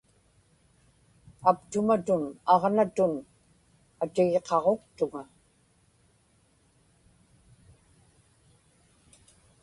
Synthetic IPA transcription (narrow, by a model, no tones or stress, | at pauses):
apt̪ʊmat̪ʊnɑʁnat̪ʊn | at̪ɪɣe̞qɑʁo̞qt̪ʊŋa